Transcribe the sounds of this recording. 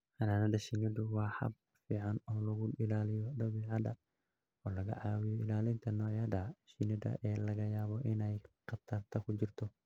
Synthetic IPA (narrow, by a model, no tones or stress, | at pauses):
kɐnaːnɐd̪ɐʃɪnɛd̪ʊwɑːħɐ̰b̚ | fiːʕɑnɔːlɐɣʊɪlaːlɪjɔd̪ɐwiːʕɑd̪ɐ | ɔːlɐɣɐ̰ʕaːwɪjɔɪlaːlɪnt̪ʰɐnɔːʕjɐd̪ɐʃɪnɛd̪ɐ̰ʔɛːlɐɣɐjaːβɔʔɪnɛjqɐt̪ʰɐrt̪ʰɐkʰʊt͡ʃɪrt̪ʰɔ